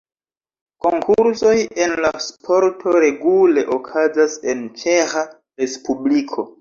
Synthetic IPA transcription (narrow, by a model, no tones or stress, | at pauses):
ko̞ŋkʰuɾso̞je̞nlaspʰo̞ɾtʰo̞ɾe̞ɡule̞ʔokʰazase̞nt͡ʃe̞xa | ɾe̞spublikʰo̞